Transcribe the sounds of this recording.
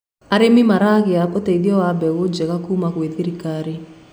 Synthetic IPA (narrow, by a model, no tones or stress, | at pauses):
aɾemɪmaɾaɣɪakɔteðjɔwabɛɣod͡ʒɛɣakumakweðeɾikaɾe